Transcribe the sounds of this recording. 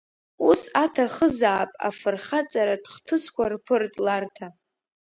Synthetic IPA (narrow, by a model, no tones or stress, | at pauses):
usatʰaχəzaːpʼa̰fɨrχat͡sʼaɾadʼχtʰɨskʷarpʰɨrtʼlartʰa